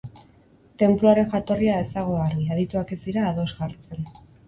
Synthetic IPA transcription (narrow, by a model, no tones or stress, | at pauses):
t̪e̞mpluaɾe̞nxat̪o̞riae̞saɣ̞o̞arɣiaðit̪uake̞siɾaːðo̞zɣaɾt͡se̞n